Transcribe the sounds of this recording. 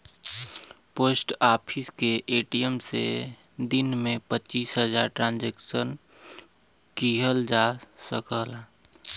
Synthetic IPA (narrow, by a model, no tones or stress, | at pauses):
poːsʈaːpʰɪskeʔeːʈijəmsḛd̪ɪnmẽpətːt͡ʃiːsɦəd͡ʒa̰ːɾʈɾãːnd͡ʒeːksən | kiɦəld͡ʒasəkəla